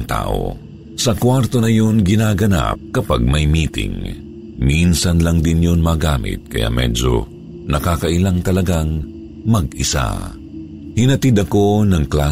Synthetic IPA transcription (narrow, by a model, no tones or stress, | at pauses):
ŋt̪a̰ːʔo̰ | sɐkwaɾt̪o̞nɐjonɡɪnaːɡɐna̰p̚kɐpaɡ̚mɐjmiːt̪ɪ̰ŋ | minsɐnlɐŋd̪ɪnjonmaɡaːmɪ̰t̪̚kɐja̰mɛ̰d͡ʒo̰ | nɐkaːkɐʔɪlaŋt̪ɐlɐɡaŋ | mɐɡʔɪsa̰ | hɪnɐt̪ɪd̪ɐko̞nɐŋklaː